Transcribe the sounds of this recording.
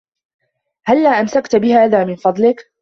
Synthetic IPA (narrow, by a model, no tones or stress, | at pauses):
halːaːʔamsakt̪bɪhaːðaːmɪnfɑd̪ˤlɪk